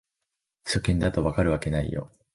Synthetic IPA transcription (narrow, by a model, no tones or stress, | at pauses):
ɕokʲĩnd̪at̪o̞βakaɾɯ̟βake̞naḭjo̞̰